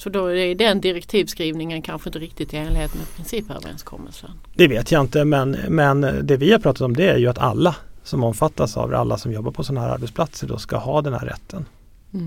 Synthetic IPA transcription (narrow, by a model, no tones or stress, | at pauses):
sɔd̪ɔɛːɖɛnd̪ɪɾɛkt̪ʰiːvskɾiːvnɪŋənkʰanɧəɪnt̪əɾɪk̚t̪ɪt̪ɪeːnlɪheːt̪ənɛpʰɾɪnsiːpø̰ːvə̰ɾɛ̰nskʰɔ̰mːə̰lsə̰n | d̪ɛveːt̪ʰjaɪnt̪əmɛnmɛnd̪ɛvɪhaɾpɾɑːt̪at̪ɔmd̪ɛæɾjɵat̪ʰa̰lːasɔmɔmːfat̪ːasa̰vɾa̰lːasɔmjɔbːaɾpʰɔsɔnːaɦæːɾa̰ɾbɛt̪splat̪səɖɔ̰ska̰hɑːd̪ɛnhæ̰ːɾːɛ̰t̪ʰːən